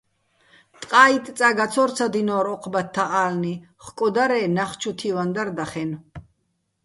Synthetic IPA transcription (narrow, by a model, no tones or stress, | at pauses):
t̪ʼqʼaːit̪ʼt͡s̪ʼaɡat͡sʰɔɾt͡sʰad̪inɔɾɔqʰbat̪ʰːaʔaːlni | χkʼɔd̪aɾɛːnaχt͡ʃʰut̪ʰivand̪aɾd̪aχɛn